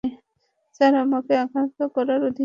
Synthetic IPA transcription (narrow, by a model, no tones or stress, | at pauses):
saɾamokeakant̪okɔɾaɾod̪ʱi